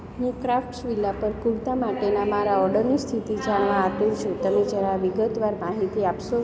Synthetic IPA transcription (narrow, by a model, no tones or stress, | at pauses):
ɦũkɾafʈsʋilapəɾkuɭt̪amaʈenamaɾaɔɾɖəɾnist̪ʰit̪id͡ʒaɳʋaːpelt͡ʃʰot̪əmed͡ʒjaɾaʋiɡət̪ʋaɾmaɦit̪iapʃo